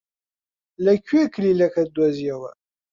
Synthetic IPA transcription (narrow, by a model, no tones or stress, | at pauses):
lækːiækːəlilækæd̪ːwæzjæwæ̰